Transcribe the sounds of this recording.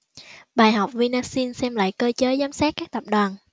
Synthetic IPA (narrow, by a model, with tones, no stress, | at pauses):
ɓaː˨˩jɦa˨˩wk͡p̚vi˧naː˧si˧ənsɛ˧mla̰ː˧˨jkəː˧t͡ɕəː˨˦jzaː˨˦msaː˦˥t̚kaː˦˥k̚t̪ə˨˩p̚ɗwaː˨˩n